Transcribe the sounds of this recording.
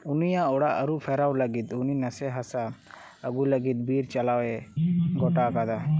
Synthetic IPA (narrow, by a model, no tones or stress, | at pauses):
unijaɔɽaʔəɾuʔpʰɛɾawləɡit̪uninasɛɦasa | əɡuləɡit̪̚biɾt͡ʃalawɛɡɔʈakad̪a